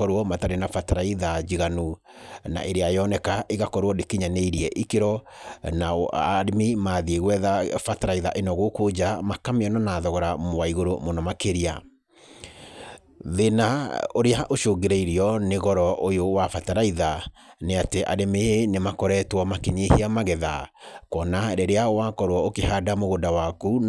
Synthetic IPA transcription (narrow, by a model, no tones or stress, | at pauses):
ɔɾwɔmataɾenafataɾaiðad͡ʑiɣanuna̰ʔeɾeajɔnɛkaʔeɣakɔɾwɔdekiɲaneiɾiɛʔikeɾɔnaaɾimimaːðieɣwɛðafataɾaiðaʔenɔɣokod͡ʑamakameɔnɔnaːðɔɣɔɾamoaiɣoɾomonɔmakeɾia | ðenaoɾeaʔoʃoɡeɾeiɾiɔneɣɔɾɔʔojowafataɾaiða | neateʔa̰ɾemenemakɔɾɛtwɔmakeɲehiamaɣɛðakɔnaɾɛɾeawakɔɾwɔokehadamoɣodawaku